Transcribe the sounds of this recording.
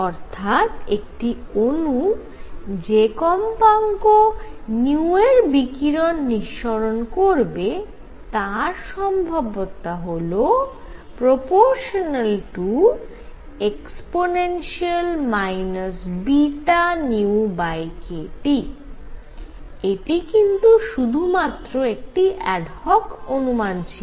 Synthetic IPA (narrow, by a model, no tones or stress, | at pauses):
ɔɾt̪ʰat̪ek̚ʈionu | d͡ʑekɔmpaŋkoniueɾbikiɾonːiʃːoɾonkoɾbe | t̪aɾʃɔmbʱabot̪aɦolo | pɾopoɾʃonalʈu | eksponenʃialmajnosbiʈaniubajkeʈi | eʈikint̪uʃud̪ʱumat̪ːɾoek̚ʈiʔɛɖhɔkonumant͡ɕʰio